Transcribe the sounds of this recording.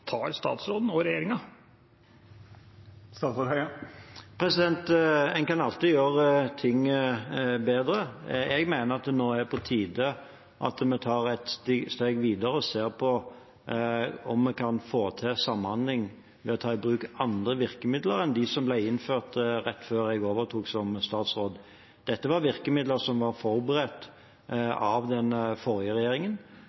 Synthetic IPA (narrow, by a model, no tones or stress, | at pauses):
t̪ʰɑːɾst̪ɑ̰ːt̪sɾoːd̪n̩ɔɾɛjeːɾɪŋɑ | st̪ɑt̪sɔt̪æɪ | pʰɾɛsɪd̪ɛnt̪ɛnkɑnɑlt̪ɪjøːɾət̪ʰɪŋː | beːd̪ɾəɛɡmæɪnəʁɑt̪̚d̪ɛnoːæpʰɔt̪ʰiːd̪ə | ʔɑ̰t̪mɛt̪ʰɑːɾɛt̪st̪eːɡʋiːd̪əɾəɔseːʁpʰɔ | ɔmːɛkʰɑnfoːt̪ʰɛsɑmːɑnd̪lɪŋ | ʋɛɔt̪ʰɑːɪbɾʉːkɑnd̪ɾəʋɪʁkəmɪd̪ləɾɛnd̪ɪsɔmblæɪɪnːføːʁt̪ɾɛt̪ːføːɾɛɡoːʋəɾt̪ʰuːksɔmst̪ɑːt̪sʁoːd̪ | d̪̥ɛt̪ːəʋɑɾʋɪʁkəmɪd̪ləɾsɔmʋɑɾfɔɾbəɾɛt̪ː | ɑʋd̪ɛnəfɔɾɪjəʁɛjeːɾɪŋən